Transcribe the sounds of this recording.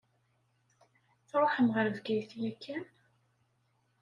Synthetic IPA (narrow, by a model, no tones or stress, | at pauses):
θɾˤoħəmʁəɾvɡæjθjækʰːæn